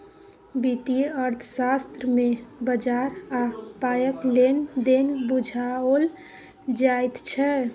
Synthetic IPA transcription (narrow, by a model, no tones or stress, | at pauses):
bit̪iəɾt̪ʰəsast̪ɾəmebəd͡ʒaɾapajəklend̪enbud͡ʒʱaol | d͡ʒajt̪t͡ʃʰɛ